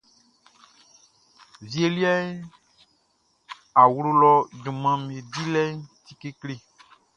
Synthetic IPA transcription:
vi˦e˦li˦a˦e˦ | a˨wlo˦lɔ˦d͡ʒõ˨mã˨mẽ˨di˦lɛ˦t̪i˦ke˦kle˦

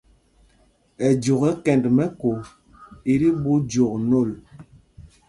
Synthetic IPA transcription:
ɛ˨d͡ʒo˨ɣɛ˦kɛ˨ndmɛ˦ko˨ | i˨ɾi˦bu˦d͡ʒo˨k̚no˦˨l

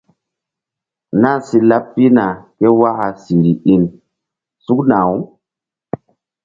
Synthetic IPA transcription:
na˦nsi˨la˦pːi˦na˨ke˦wa˦ha˨si˨ɾi˨ʔi˨n | su˦kna˨wu˦

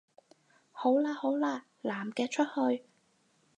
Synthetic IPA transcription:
ho˨˥wlaː˧ho˨˥wlaː˧ | laː˨˩mkɛː˧t͡ʃʰɵ˥t̚hɵ˧ɥ

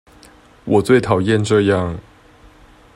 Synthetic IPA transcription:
wɔ˨˩t͡swe˥˩ɪt̪ʰɑ˨˩ʊjɛ˥˨nʈ͡ʂɤ˥˧jɑ˥˩˨ŋ

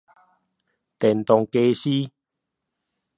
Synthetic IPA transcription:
t̪ɛ˨˩nt̪ɔ˨ŋke˧ɕi˦

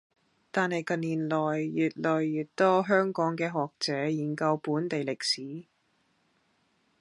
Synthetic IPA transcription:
t̪aː˨nhɐ˨jkɐ˨nliː˨˩nlɔː˨˩jːyː˨˩t̚lɔː˨jːyː˨tt̪ɔː˥ɦœː˥ŋkɔː˨˥ŋkɛː˧ɦɔː˨k̚t͡sɛː˨˥jiː˨˩nkɐ˧wpuː˨˥nt̪e˨jlɪ˨k̚siː˨˥

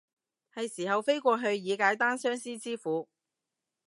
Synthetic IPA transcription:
hɐ˨jsiː˨˩hɐ˨wfe˥jkʷɔː˧ɦɵ˧ɥjiː˨˧kaː˨˥jt̪aː˥nsœː˥ŋsiː˥t͡siː˥fuː˨˥

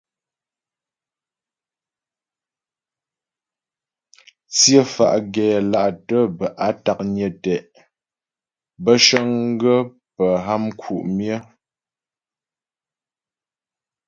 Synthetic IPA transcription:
t͡sjə˦˨fa̰˨ʔɡɛː˨la˦ʔtə˦bə˨ʔa˦ta˨k̚ɲə˨tɛ˨ʔ | bə˦ʃə˦ŋ˦ɡə˦ | pə˨ɦa˦mkʰu˨ʔmjə˦

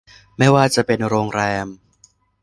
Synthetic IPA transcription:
maː˥˩jwaː˥˩t͡ɕa˨˩ʔpe˧nɾoː˧ŋɾɛː˧m

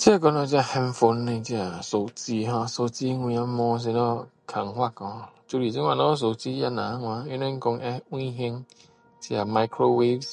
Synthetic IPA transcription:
t͡ʃi˦e˦kɔ˧nɔ˧˦d͡ʒi˦a˨hɛ˧m̩˦fo˧n̩˦ne˧˦ti˦a˨so˨ti˦ɦɔ̃˧˦so˧ti˦ŋʷu˧ja˦mɔ˧˦s̬i˧nɔ˦ | kʰa˨ŋ̩˨˦hʷa˦˨kɔ̃˧˨t͡ʃu˧li˨d͡ʒi˦ŋʷ˦a˨nɔ˦s̬o˨ti˦ja˦na˨a˦ŋʷa˧˦i˦ne˦ŋ̩˦ko˧ŋɛ˦ĩ˦ɦe˧ŋ | ti˦a˨ma˧jkʰɾo˦we˦vs

